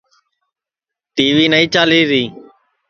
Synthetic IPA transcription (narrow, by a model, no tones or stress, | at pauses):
t̪iːʋiːnəiːt͡ʃaːliːɾiː